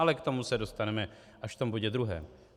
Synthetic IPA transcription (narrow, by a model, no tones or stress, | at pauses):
alɛkt̪o̞musɛdo̞st̪anɛmɛ | ʔaʃft̪o̞mbo̞ɟɛd̪ɾuɦɛ̰ːm